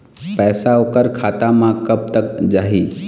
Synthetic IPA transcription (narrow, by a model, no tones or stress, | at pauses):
pɛːsaokəɾkʰaːt̪amãkəb̚t̪əkd͡ʒaːɦi